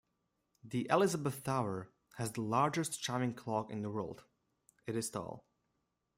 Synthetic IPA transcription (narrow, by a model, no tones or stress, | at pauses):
ðiʔɛlˠɪzəbəθːaʊə˞ | hɨzðəlɑɹd͡ʒɨst͡ʃɑɹmɪ̃ŋkʰl̥ɔkɨ̰̃nðəwɜ˞lˠd̥ | ɨɾɨz̥tɔ̰lˠ